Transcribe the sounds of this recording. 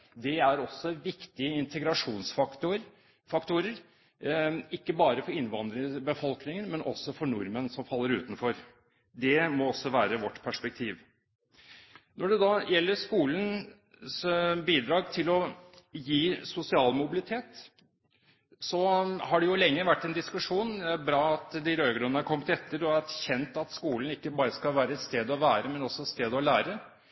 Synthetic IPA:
d̪ɛæɾɔsːɔʋɪkt̪ɪəɪnt̪ʰəɡɾɑʂuːnsfɑt̪ʊ | fɑkt̪ʰʊɾəɾ | ɪkːəbɑːɾəfɔɾɪnʋɑnd̪ɾəəbəfɔlknɪŋənmɛnʔɔ̰sːɔfɔɳʊɾmənsɔmfɑlːəɾʉːt̪n̩fɔɾ | d̪ɛmɔɔsːɔʋæːɾəʋɔʈːpʰæʂpɛk̚t̪ʰiːʋ | nɔɖɛd̪ɑːjɛlːəɾʂkuːln | sbiːd̪ɾɑːɡt̪ʰɪlɔjiːsʊsɪɑːlmʊbɪlɪt̪ʰeːt̪ | sɔhɑɖɛjʊlɛŋːəʋæʈːɛnd̪ɪskʉʂuːnd̪ɛæɾbɾɑːɑt̪d̪ɪɾøːɡɾʉnːəɑkʰɔmːt̪ɛt̪ːəɾɔæçɛnt̪ɑt̪skuːln̩ɪkːəbɑːɾəskɑlʋæːɾəɛt̪st̪eːd̪ɔʋæːɾəmɛnɔsːɔɛt̪st̪eːd̪ɔlæːɾə

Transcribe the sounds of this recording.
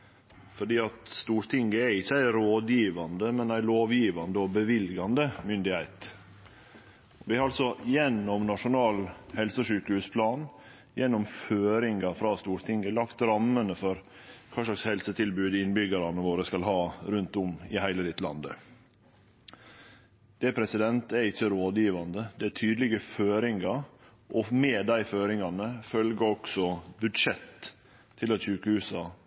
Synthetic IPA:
fɔɖiːɑt̪st̪uːɾt̪ʰɪŋɡəɛɪçːəæɪɾoːd̪jiːʋɑnd̪əmɛnæɪloːʋjiːʋɑnd̪əɔbəʋɪlɡɑnd̪əmʏnd̪ɪhæɪt̪ | ɔʋɪhɑɾɑlsɔjɛnːɔmnɑʂʊnɑːlhɛlsəʂyːkəhʉːspʰlɑːn | jɛnːɔmføːɾɪŋɡɑfɾɑst̪uːɾt̪ʰɪŋɡəlɑkt̪ɾɑmːənəfɔɾ | kʰɑːʂɭɑkshɛlsət̪ʰɪlbʉːd̪ɪnbʏɡɑɾɑnəʋoːɾəskɑlhɑːɾʉnt̪ʊmɪhæɪləlɪt̪lɑ̰nd̪ə̰ | d̪̥ɛpʰɾɛsɪd̪ɛnt̪ɛɾɪçːəɾoːd̪jiːʋɑnd̪əd̪ɛætʰyːd̪əlɪɡəføːɾɪŋɑ | ʔɔmeːd̪æɪføːɾɪŋɑnəfœlɡəɔksɔbʉd̪ʂɛt̪ʰː | ɪlɑt̪ɕʉːkəhʉːsɑ

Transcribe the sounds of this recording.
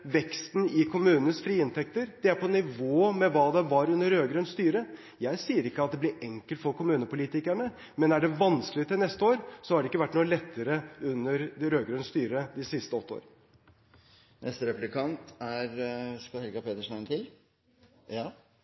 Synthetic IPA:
ʋɛkst̪nɪkʰʊmʉːnnəsfɾiːɪnt̪ʰɛk̚t̪əɾd̪̥ɛæɾpɔnɪʋoːmɛʋɑːd̪ɛʋɑɾʉnːəɾːøːɡɾœnst̪yːɾə | jæɪsiːəɾɪkːəɑt̪̚d̪ɛblɪɾɛŋkəlt̪fɔɾkʰʊmʉːnəpʊliːt̪ɪkæɳə | mɛnæɖɛʋɑnskəlɪət̪ɪlnɛst̪əoːɾsɔhɑɖɛɪkːəʋæʈːnuːəlɛt̪ʰːəɾəʉnːəɾɾøːɡɾœnst̪yːɾəd̪ɪsɪst̪əɔt̪ːo̰ːɾən | nʔɛst̪əɾɛplɪkʰɑnt̪æɾskɑhɛlɡɑpʰeːt̪əʂnæɪnt̪ʰɪl

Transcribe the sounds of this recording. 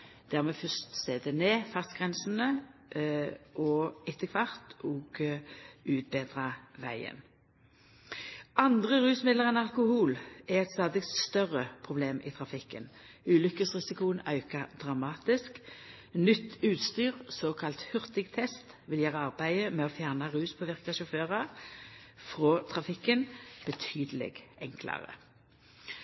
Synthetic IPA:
d̪̥æːʁmɛfœst̪seːd̪ɛneːfɑst̪ɡ̥ʁɛnsn̩ə | ʔɔɪt̪ʰːəkʰʋɑʁt̪ɔːɡ̥ | ʉːt̪̚beːd̪ʁɑʋæɪə̰n | ɑnd̪ʁəʁʉːsmɪd̪ləʁɛnɑlkʊhuːlɛʁɛt̪st̪ɑːd̪ɪkt̪st̪œʁəpʰʁʊbleːmʔɪt̪ʰʁɑfɪkːən | ʉːlʏkəsʁɪsɪkʊənɑʉkɑd̪̥ʁɑmɑːt̪ɪsk | nʏt̪ʰːʉːt̪st̪yːʁsoːkʰɑlt̪hʏʁt̪ɪɡt̪ʰɛst̪ | ʋɪljæːʁəɑʁbæɪəmɛoːfjæʁnɑʁʉːspʰoːʋɪʁkɑʃʊføːʁɑ | fʁoːt̪ʰʁɑfɪkːənb̥ət̪ʰyːd̪əlɛ̰ɡɛŋkʰlɑ̰ʁə̰

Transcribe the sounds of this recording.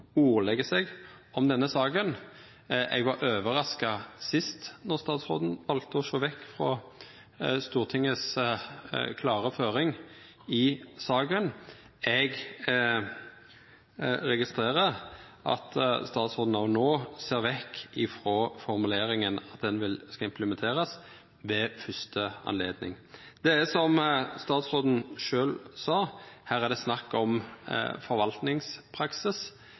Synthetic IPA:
uːʁlɛɡəsɛɡ | ɔmd̪ɛnːəsɑːɡən | ʔɛ̰ɡʋɑɾøːʋəɾɑskɑsɪst̪nɔʁst̪ɑːt̪sʁo̰ːd̪n̩ʋɑlt̪əɔʃoːʋɛkːfʁɔ | st̪uːʁt̪ʰɪŋːəs | kʰlɑːʁəføːɾɪŋ | ɪsɑːɡən | ɛɡ | ɾɛɡɪst̪ʁeːʁəɾʔɑ̰t̪st̪ɑːt̪sʁoːd̪n̩ɑʋnoːseːʁʋɛkːɪfɾoːfɔʁmʉleːɾɪŋənɑt̪̚d̪ɛnʋɪlskɑɪmpləmɛnt̪ʰeːɾəs | ʋɛfʏst̪əɑ̰nleːd̪nɪ̰ŋ | d̪̥ɛæsɔmst̪ɑːt̪sʁoːd̪n̩ʃøːlsɑːhæːʁæʁd̪ɛsnɑkːɔm̰fɔɾʋɑlt̪nɪŋspʰɾɑksɪs

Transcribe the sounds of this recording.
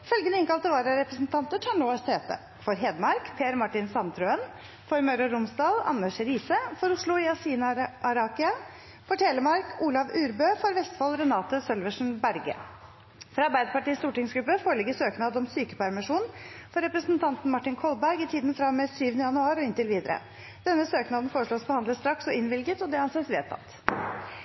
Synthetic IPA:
fœlɡənəɪŋkɑlt̪əʋɑːɾəɾɛpɾəsn̩t̪ʰɑnt̪əʈʰɑɳoːəsteːt̪ə̰ | fɔɾɦeːd̪mɑɾkpʰeːæɾmɑʈɪnsɑnt̪ʰɾøən | fɔɾmœɾɔɾʊmsd̪ɑːlɑ̰nːəʂɾiːsəfɔɾʊʂɭʊɪɑsiːnɑɾɑːkɪɑ | fɔʈʰɛləmɑɾkʰuːlɑʋʉːɾbøːfɔɾʋɛst̪fɑlɾɛnɑːt̪əsœlʋəʂn̩bæɾɡə̰ | fɾɑɑɾbæɪd̪əpɑʈiːst̪uːʈɪŋsɡɾʉpːəfoːɾəɭɪɡːəsøːknɑːd̪ɔmsyːkə̥pæɾmɪʂuːnfɔɾɛpɾəsnt̪ʰɑnt̪n̩mɑʈːɪnkʰɔlbæɾɡɪt̪ʰiːd̪nfɾɑmːɛsyːʋənəjɑnʉɑːɾɔɪnt̪ɪlʋiːd̪əɾə̰ | d̪̥ɛnːəsøːknɑːd̪nfoːɾəʂɭoːsbəhɑnd̪ləst̪ɾɑksɔɪnʋɪlɡət̪ɔd̪ɛɑnseːsʋḛːt̪ʰɑ̰t̪

